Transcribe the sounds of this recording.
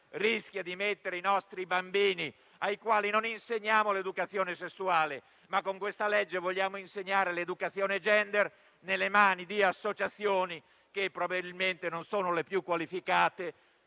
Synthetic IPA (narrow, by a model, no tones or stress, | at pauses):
risk̟jad̪imet̪ːeɾeinɔst̪ɾibambiːni | ajkwaːlinoninseɲːaːmoled̪ukat̪sːjɔːnesesːuaːle | makːoŋkwest̪alɛd͡ʒːevoʎːaːmoinseɲːaːɾeled̪ukat̪sːjɔːned͡ʒɛnd̪ɛr | nelemaːnid̪iasːot͡ʃat̪sjoːni | k̟epːɾobabilment̪enonsoːnʊlepjukːwalifikaːt̪e